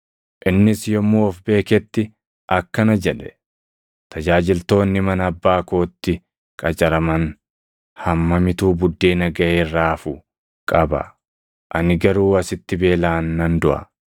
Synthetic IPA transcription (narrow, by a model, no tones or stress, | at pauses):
ʔɪnːɪsjɔmːuːɔfbe̞ːkɛt̪ːɪ | ʔɐkːɐnɐd͡ʒɛᶑɛ̥ | t̪ʰɐd͡ʒaːd͡ʒɪlt̪o̞ːnːɪmɐnɐbːaːko̞ːt̪ːɪ | kʼɐt͡ʃʼɐɾɐmɐn | hɐmːɐmɪt̪uːbʊd̪ːeːnɐɡɐʔeːrːaːfʊ | kʼɐbɐ̰ | ʔɐnɪɡɐɾuːɐsɪt̪ːɪbe̞ːlaːnːɐnd̪ʊʔɐ̰